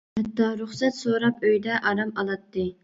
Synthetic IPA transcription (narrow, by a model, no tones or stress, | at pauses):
hɛt̪ːɑɾuχsɛt̪soɾɑpøjd̪ɛʔɑɾɑmɑlˠɑt̪ːɨ